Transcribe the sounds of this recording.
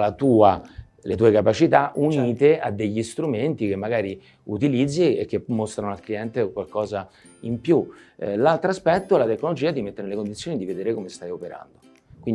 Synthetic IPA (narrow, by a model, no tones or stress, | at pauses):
lat̪uːa | let̪uːekapat͡ʃit̪aʔuniːt̪ead̪ːeʎːist̪ɾument̪ik̟emːaɡaːɾi | ut̪ilid̪zːiḛk̟ːemːost̪ɾanoalkliɛnt̪ekwalkɔːza | impjulalt̪ɾoaspɛt̪ːoɛlat̪ekːnolod͡ʒiːad̪imet̪ːeɾenelekond̪it̪sːjoːnid̪ived̪eːɾekomest̪ajopeɾa̰nd̪o | kwin